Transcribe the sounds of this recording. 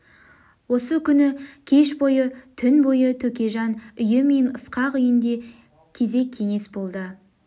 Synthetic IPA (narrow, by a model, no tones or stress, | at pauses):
wo̞səkʲʰʏnɪkʲʰe̞ʃbo̞jət̪ʰʏnbo̞jət̪ʰɵkʲe̞ʒɑnʏjɪme̞nəsqɑqʏjɪnd̪e̞ | kʲʰe̞ze̞kʲʰːe̞ŋe̞sbo̞lˠd̪ə